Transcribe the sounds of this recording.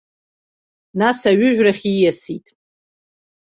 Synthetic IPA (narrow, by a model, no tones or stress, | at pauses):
nasaɥʏʒᶣraχʲijasitʼ